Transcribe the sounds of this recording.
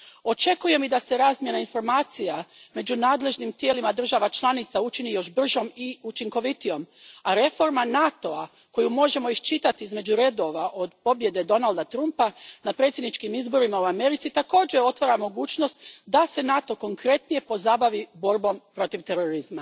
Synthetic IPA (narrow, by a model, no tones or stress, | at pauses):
o̞t͡ʃe̞kuje̞mid̪ase̞ɾaːzmje̞nainfo̞ɾmaːt̪sijame̞d͡ʒunaːd̪le̞ʒnimt̪jelimad̪r̩ʒaʋat͡ʃlˠanit̪saut͡ʃinijo̞ʃbr̩ʒo̞miut͡ʃiŋko̞ʋit̪ijo̞maɾe̞fo̞ɾmanat̪o̞a | ko̞jumo̞ʒe̞mo̞iʃt͡ʃit̪at̪iizme̞d͡ʒuɾe̞d̪o̞ʋaʔo̞d̪po̞bje̞d̪e̞d̪o̞nald̪at̪ɾumpanapɾe̞t̪sʲjed̪nit͡ʃkimizbo̞ɾimauame̞ɾit̪sit̪ako̞ːd͡ʒe̞o̞t̪ʋaɾamo̞ɡuːt͡ʃno̞st̪d̪ase̞nat̪o̞ko̞ŋkɾe̞t̪nije̞po̞zabaʋibo̞ɾbo̞mpɾo̞t̪iʋt̪e̞ɾo̞ɾizma